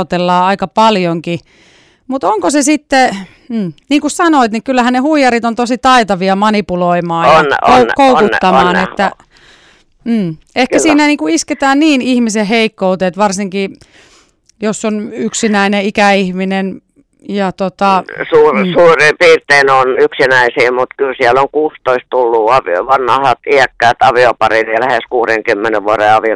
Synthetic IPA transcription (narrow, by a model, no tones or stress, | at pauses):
t̪elːɑːɑikɑpɑljoŋki | mut̪oŋkosesit̪ːe | m̩ːniːŋkussɑnoit̪nikylːæhænnehuijɑɾit̪ont̪osit̪ɑit̪ɑʋiɑmɑnipuloimɑːjjnoukoukuːɑmɑːnet̪ːæ | ehkkæsiːnæniːŋkuisket̪æːnniːnihmiseheikːout̪eːt̪ʋɑrsiŋki | josːonyksinæineikæihminen | jɑt̪ot̪ɑsuːrsuːripiːrt̪einonyksinæisiːmut̪kylsiæloŋkuːst̪oist̪t̪ulːuːɑʋio̰ʋɑnːɑhɑt̪iækːæːˑt̪ɑʋiopɑrinjɑlæheskuːreŋkymːeneʋuoreɑʋio